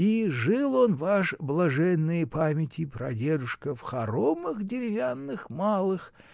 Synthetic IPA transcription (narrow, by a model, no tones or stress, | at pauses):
iʐɨlˠo̞nvaʂblˠɐʐɛnːɨjəpamʲɪtʲʰɪpɾɐ̰dʲe̞d̪ʊʂkəfxɐɾomɨxdʲɪɾʲɪvʲanːɨxmalˠɨx